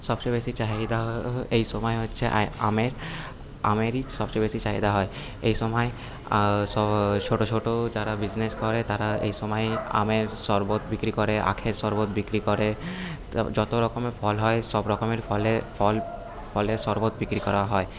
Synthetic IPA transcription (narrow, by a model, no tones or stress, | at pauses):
ʃɔbt͡ʃojbesit͡ɕaɦid̪aɦejʃɔmɔeɦotːʃʰeʔa̰meɾ | a̰meɾiʃɔbt͡ʃobesit͡ɕaɦid̪aɦɔe | ejʃɔmɔe | sɔt͡ʃʰoʈot͡ʃʰoʈod͡ʑaɾabid͡ʑneskɔɾet̪aɾaḛjʃɔmɔja̰meɾsɔɾbot̪bikɾikɔɾeʔa̰kʰeɾsɔɾbot̪bikɾikɔɾe | d͡ʑɔt̪oɾɔkomefʰɔlɦɔesɔbɾɔkomeɾfʰɔlefʰɔl | fʰɔlesɔɾbot̪̚bikɾikɔɾaɦɔe